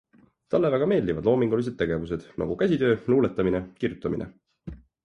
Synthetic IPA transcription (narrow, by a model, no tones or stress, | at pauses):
t̪ɑlːevæɡ̥ɑme̞ːld̪ivɑd̪lo̞ːmiŋɡ̥ulis̬e̥t̪ːe̞ɡe̞vuse̞d̪̥nʔɑ̰ɡ̥ukæsʲid̪ø̞ːluːlet̪ːˑɑminekirjut̪ːˑɑmḭnḛ